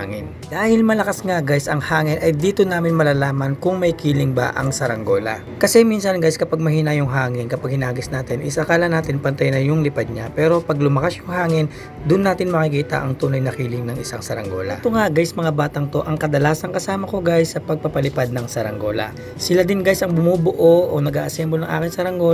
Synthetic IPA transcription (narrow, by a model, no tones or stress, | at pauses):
ŋɪn | d̪̥aːhɪlmɐlɐkasŋaɡajsɐŋhaːŋɪnʔɐjd̪iːt̪o̞naːmɪnmɐlaːlaːmɐnkʊŋmɐjkiːlɪŋba̰ʔɐ̰ŋsɐɾɐŋɡo̞lɐ̰ | kɐsɛminsɐnɡajskɐpaɡ̚mɐhiːnɐjʊŋɦaːŋɪnkɐpaɡ̚hɪnaːɡɪsnaːt̪ɪnʔɪsɐkaːlɐnaːt̪ɪnpɐnt̪ɐjnɐjʊŋlɪpad̪̚ɲapɛːɾo̞pɐɡlʊmɐkasjʊŋhaːŋɪn | d̪ʊnːaːt̪ɪnmɐkikiːt̪ɐ̰ʔɐŋt̪uːnɐjnɐkiːlɪŋnɐŋɪsaŋsɐɾɐ̰ŋɡo̞̰lɐ̰t̪oŋaɡajsmɐŋabaːt̪ɐŋt̪o̞ʔɐŋkɐd̪ɐlaːsɐŋkɐsaːmɐko̞ɡajsːɐpɐɡ̚pɐpɐlɪpad̪̚nɐŋsɐɾɐŋɡo̞lɐ̰ | sɪlad̪ɪnɡajsɐŋbʊmubʊʔoʔonɐɡaːʔɐsɛmbonɐŋʔa̰ːkɪŋsɐɾɐŋɡo